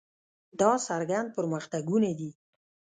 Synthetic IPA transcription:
d̪ɑsaɾɡand̪̚pəɾməxt̪aɡunad̪i

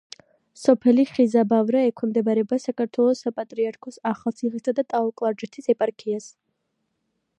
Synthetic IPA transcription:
sɔpʰɛliχizabavɾaɛkʰɛmd̪ɛbaɾɛbasakaɾt̪ʰwɛlˠɔsapʼat̪ʼɾiaɾkʰɔsaχalˠt̪sʰiχisad̪at̪ʼaɔkʼlˠaɾd͡ʒɛt̪ʰisɛpʼaɾkʰias

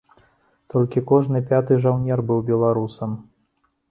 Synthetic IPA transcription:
t̪ɔlʲkʲikɔʐnɨpʲat̪ɨʐawnʲɛrbɨwbʲɛlˠaɾusɐm

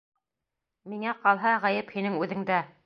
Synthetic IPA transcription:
miŋæqɑlˠɦɑʁæjɘphinɘŋʉðɘ̆ŋd̪æ

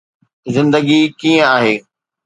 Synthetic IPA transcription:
zɪ̃nd̪əɡikiːə̃aːɦeː

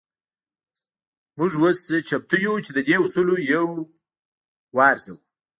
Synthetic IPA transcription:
mʊʐwost͡ʃʰap̚t̪ʰujut͡ʃed̪əd̪eusulojaw | wɑːɾsaw

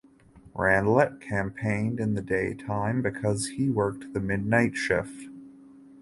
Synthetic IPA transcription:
ɹæ̃ndˡlɛt̚kʰæ̃mpʰẽɪ̃ndɨ̃nðɨdeɪtʰãɪ̃mbɨkʰʌz̥iwɜ˞k̚t̚ðɨmɪdⁿnaɪtʃɪ̰f

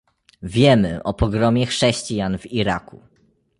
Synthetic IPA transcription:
vʲjɛmɘ̰ʔɔpɔɡɾɔmʲjɛxʂɛɕt͡ɕijanviɾakṵ

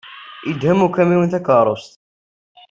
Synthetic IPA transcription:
əd̪hæmukæmiwənt̪ækɑɾˤost̪

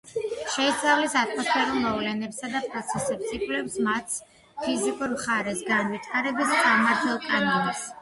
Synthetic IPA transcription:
ʃɛist̪sʼavlisat̪ʰʼmɔspʰɛɾulˠmɔvlɛnɛpsad̪apʼɾɔt̪sʰɛsɛpsikʼlɛpsmat̪s | pʰizikʼuɾmχaɾɛsɡanvit̪ʰaɾɛbisɡamaɾt̪ʰɛlˠkʼanɔnas

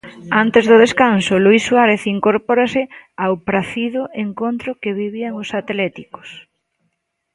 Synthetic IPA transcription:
ant̪ezðʊð̞eskansʊluisːwaɾeθiŋkoɾpoɾasɪawpɾaθiðʊʔeŋkont̪ɾʊkeβiβiaŋosat̪lɛt̪iko̥s

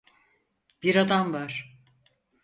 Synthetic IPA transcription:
b̥iɾad̪amvaɾ̥

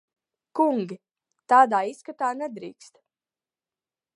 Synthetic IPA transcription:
kuŋɡʲi | t̪aːd̪aːiskat̪aːnɛd̪ɾḭːkst̪

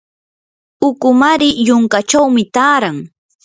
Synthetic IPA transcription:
ʊkʊmaɾɪjʊŋkat͡ʃawmɪt̪aːɾaŋ

